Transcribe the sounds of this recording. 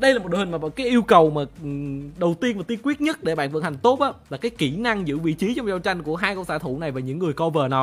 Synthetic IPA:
ɗə˧jaː˨˩m̚˨˩ɗo˧˨˩hi̟˨˩maː˨˩aː˨˩wkaː˨˦jʔi˧əwkə˨˩wmaː˨˩ɗə˨˩wt̪i˧ənvaː˨˩t̪i˧əŋkwi˦˥ət̚ɲə˦˥t̚ɗe˧˩ɓa̰ː˧˨nvə̰˧˨˩tha˨˩ŋ̟t̪o˦˥t̚ʔaː˨˦laː˨˩kaː˨˦jki˧˩na˧ŋzɨ̰˧˥vḭ˧˨t͡ɕi˨˦t͡ɕɔ˧m̚˨˩zaː˧t͡ɕa˧jŋ̟ku˧˩əɦaː˧jkɔ˧wsaː˧˥t̪ʰṵ˧˩na˨˩jvaː˨˩ɲɨ̰˧˥ŋːɨ˨˩əjkɔ˧vəː˨˩nɔ˨˩

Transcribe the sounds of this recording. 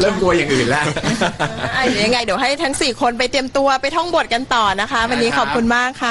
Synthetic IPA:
lɤː˥˩mt̪u˧ɐja˨˩ŋʔɯː˨˩nlɛ˦˥ʔ | a˧˩ja˧ŋːa˧jdi˩˦wɦa˥˩jt̪ʰa˦˥ŋsiː˨˩kʰo˧np̬a˧jt̪i˧əmt̪u˧ɐpa˧jt̪ʰɔ˥˩ŋbu˨˩ət̪̚ka˧nt̪ɔː˨˩na˦˥kʰa˦˥ʔwa˧nːiː˦˥kʰɔː˨˩p̚kʰu˧nmaː˥˩kʰːa˦˥˩

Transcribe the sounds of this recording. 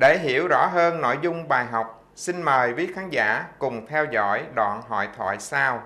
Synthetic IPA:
ɗe˧˩ɦi˧˩˨əwzɔ̰˧˥ɦəː˧nːo̰˧˥˨jzʊ˧ŋ͡mɓaː˨˩jɦa˨˩wk͡p̚ | si˧nməː˨˩jvi˦˥ət̚xaː˨˦nza̰ː˧˥kʊ˨˩ŋ͡mt̪ʰɛ˧wzɔ̰˧˥jɗwa̰ː˧˨nɦɔ̰˧˨jt̪ʰwa̰ː˧˨jsaː˧w

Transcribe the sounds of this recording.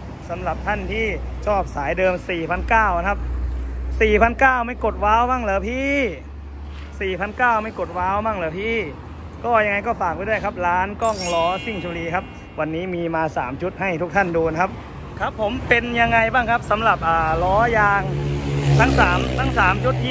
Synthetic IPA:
sa˩˦mla˨˩p̚t̪ʰa˥˩nt̪ʰiː˥˩ | t͡ɕʰɔː˥˩p̚saː˩˦jdɤː˧msiː˨˩pʰa˧nkaː˥˩wkʰa˦˥p̚siː˨˩pʰa˧nkaː˥˩wma˥˩jko˨˩t̪̚waː˨˧˥wma˥˩ŋlɤː˨˦pʰiː˥˩ | siː˨˩pʰa˧nkaː˥˩wma˥˩jko˨˩t̪̚waː˧˦˥wma˥˩ŋlɤː˩˦pʰiː˥˩ | kɔː˥˩ja˧ŋa˧jkɔː˥˩faː˨˩k̚pʰːdu˥˩ə˨jkʰa˦˥p̚laː˦˥nkɔː˥˩ŋlɔː˧˥si˥˩ŋt͡ɕʰu˧liː˧kʰa˦˥p̚ | wa˧nːiː˦˥miː˧maː˧saː˩˦mt͡ɕʰu˦˥t̪̚ha˥˩jt̪ʰu˦˥kt̪ʰa˥˩nduː˧n˧kʰa˦˥p̚ | kʰa˦˥pʰːo˩˦mpe˧nja˧ŋːa˧jbaː˥˩ŋkʰa˦˥p̚sa˩˦mla˨˩p̚ʔaː˨˩lɔː˦˥jaː˧ŋt̪ʰa˦˥ŋsaː˩˦mt̪ʰa˦˥ŋsaː˩˦mt͡ɕʰu˦˥t̪̚ʰːiː˥˩

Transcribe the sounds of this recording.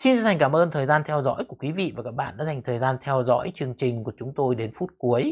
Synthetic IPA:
si˧nt͡ɕa˧nt̪a˨˩ŋ̟kaː˧˩mʔəː˧nt̪ʰəː˨˩jzaː˧nt̪ʰɛ˧wzɔ̰˧˥jkku˧˩əkwi˨˦vḭ˧˨vaː˨˩kaː˦˥k̚ɓa̰ː˧˨nɗa̰ː˧˥za˨˩jŋ̟t̪ʰəː˨˩jzaː˧nt̪ʰɛ˧wzɔ̰˧˥jt͡ɕɨ˧əŋt͡ɕï˨˩ŋ̟ku˧˩ət͡ɕʊ˨˦ŋ͡mt̪o˧jɗe˨˦nfu˦˥t̚ku˨˦əj

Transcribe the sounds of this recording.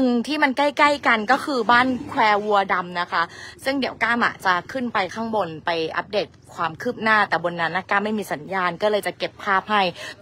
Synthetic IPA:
nɯ˨˩ŋt̪ʰiː˥˩ma˧nka˥˩jka˥˩jka˧nkɔː˥˩kʰɯː˧baː˥˩nkʰwɛː˧wu˧ɐda˧mna˦˥kʰa˦˥sɯ˥˩ŋdi˩˦əwkaː˥˩mʔa̰˨˩t͡ɕa˨˩kʰɯ˥˩npa˧jkʰaː˥˩ŋbo˧npa˧jʔa̰˦˥p̚deː˨˩t̪̚kʰwaː˧mkʰɯː˥˩p̚naː˥˩t̪ɛː˨˩bo˧nːa˦˥nːa˦˥˩kaː˥˩mːa˥˩jmiː˧sa˩˦njaː˧nkɔː˥˩lɤː˧jt͡ɕa˨˩ke˨˩pʰːaː˥˩p̚ɦa˥˩j

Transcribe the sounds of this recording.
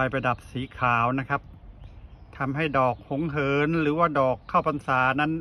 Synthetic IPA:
a˧jpa˧jda˨˩p̚siː˩˦kʰaː˩˦wna˦˥kʰa˦˥p̚ | t̪ʰa˧mɦa˥˩jdɔː˨˩k̚ho˩˦ŋɦɤː˨˦nɾɯː˩˦waː˥˩dɔː˨˩kʰːaː˥˩wpa˧nsaː˩˦na˦˥n

